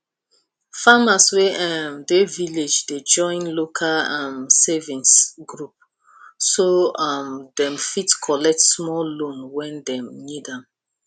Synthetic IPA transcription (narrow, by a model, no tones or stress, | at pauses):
famasweʔamdeviled͡ʒded͡ʒɔ̃ɪ̃nlokʰalamsevĩnsɡɹup̚ | soamdɛ̃mfitkʰɔlɛk̚tsmɔllõnwɛ̃ndɛ̃mnidãm